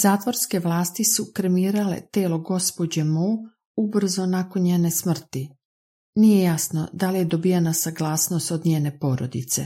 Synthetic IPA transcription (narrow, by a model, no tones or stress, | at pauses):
zaːt̪ʋo̞ɾske̞ʋlˠaːst̪isukɾemiːɾale̞̰t̪eːlo̞ɡo̞spod͡ʑemo | ubr̩zonako̞nɲjeːne̞smr̩t̪i | nijejasno̞d̪alije̞d̪o̞bijenasaɡlˠaːsno̞st̪o̞d̪ɲeːne̞po̞ɾo̰d̪it̪se